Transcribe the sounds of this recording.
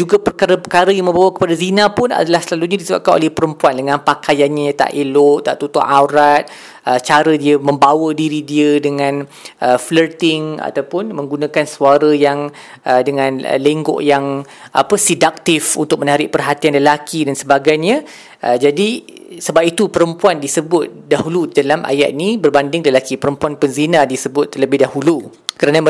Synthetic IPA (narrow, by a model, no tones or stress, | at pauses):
d͡ʒuɡapərkaɾəpəkaɾəjaŋmə̃mbawəkə̥padazinãpʊna̰dalahsəlalutʔɲadisəba̰p̚kano̰lɛhpəɾəmpuandəŋãnpakajanɲat̪a̰ʔelʊʔt̪a̰ʔt̪ut̪ɔ̰ʔawɾat̪̚ | ət͡ʃaɾədiəmə̃mbawədiɾidiədəŋãn | ʔəflərt̪ɪŋa̰t̪awpʊnmə̃ŋɡunãkansuaɾəjaŋ | ədəŋãn̰leŋɡɔ̰ʔjaŋʔa̰pəsidak̚t̪ɪfṵnt̪ʊk̚mə̃naɾɪʔ̚pərɦat̪ianləlakidansəbaɡajɲã | ʔəd͡ʒadi | səbap̚it̪upəɾəmpuandisəbʊt̪̚daɦuludalamʔa̰ja̰ʔ̪inibərbandɪŋləlakipəɾəmpuanpənzinadisəbʊt̪̚ːləbɪhdahulu | kəɾana